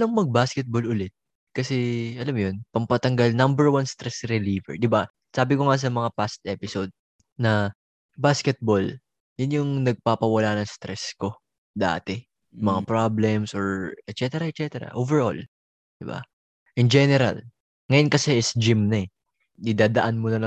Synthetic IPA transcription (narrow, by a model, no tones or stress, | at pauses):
lɐŋmɐɡ̚baskɛt̪̚bolʔʊlɛt̪̚ | kɐsɛʔɐlamjonpɐmpɐt̪ɐŋɡalnɐmbɛɹwanst̪ɾɛsɾɛliːvɛ̰ɹd̪ɪba | saːbɪkoŋas̬ɐmɐŋapast̪̚ʔɛːpɪsod̪̚ | nɐ | baskɛt̪̚bol | jʊnjʊŋnɐɡ̚papɐwɐlaːnɐŋst̪ɾɛsko̞ | d̪a̰ːt̪ɛ | mɐŋapɹablɛmsoɹɛt̪t͡ʃɛt̪ɛɾɐʔɛt̪̚t͡ʃɛt̪ɛɾɐ̰ʔovɛɹʔo̰l | d̪̥ɪba̰ | ʔɪnd͡ʒɛnɛɾɐ̰l | ŋɐjonkɐsɛɪsd͡ʒɪmnɐɛ | d̪ɪd̪aːd̪ɐʔanmonɐlɐ